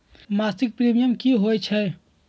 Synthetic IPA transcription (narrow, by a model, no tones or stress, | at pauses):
masik̚pɾimijəmkiɦojt͡ʃʰɛ